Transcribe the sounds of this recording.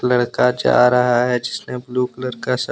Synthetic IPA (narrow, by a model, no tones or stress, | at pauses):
lɐɽkad͡ʒa̰ːɾɐɦaɦɛd͡ʒɪsnebluːklɐɽkas